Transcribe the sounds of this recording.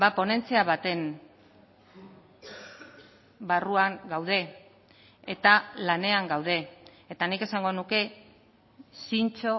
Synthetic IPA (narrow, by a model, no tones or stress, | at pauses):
bapo̞ne̞nt͡s̪eaβat̪e̞n | baruaŋɡawð̞e̞ | et̪alane̞aŋɡawð̞e̞ː | t̪anike̞saŋɡo̞nuke̞ | sint͡ʃo̞